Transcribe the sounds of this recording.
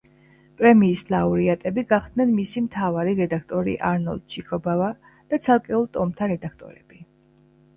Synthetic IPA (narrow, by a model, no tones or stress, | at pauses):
pʼɾɛmiːslˠauɾiat̪ʼɛbiɡaχd̪̥nɛnmisimt̪ʰavaɾiɾɛd̪akʰt̪ʼɔɾḭʔaɾnɔ̰lˠd̪̥̚t͡ʃʰikʰɔbava | d̪̥at̪sʰalˠkʼɛulˠt̪ʼɔmt̪ʰaɾɛd̪akʰt̪ʼɔ̰ɾɛ̰b̥i